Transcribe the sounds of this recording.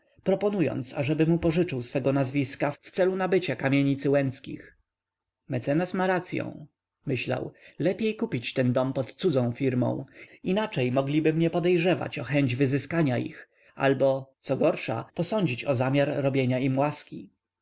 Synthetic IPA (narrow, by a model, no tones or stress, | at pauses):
pɾɔpɔnujɔ̰nt̪saʐɛbɘmupɔʐɘt͡ʂɘwsfɛɡɔnazvʲiskaft̪sɛlunabɘt͡ɕakamʲjeɲit̪sɘwɛnskʲḭx | mɛt̪sɛnasmaɾat̪sʲjɔ̰̃w̃ | mɘɕla̰wlɛpʲjejkupʲit͡ɕt̪ɛnd̪ɔmpɔt̪t̪sud̪zɔ̃w̃fʲiɾmɔ̰̃w̃inat͡ʂɛjmɔɡlʲibɘmɲɛpɔd̪ɛjʐɛva̰t͡ɕɔxɛɲd͡ʑvɘzɘskaɲaḭx | a̰lbɔt̪sɔɡɔɾʂa̰pɔsɔɲd͡ʑit͡ɕɔzamʲjaɾːɔbʲjeɲaimwaskʲi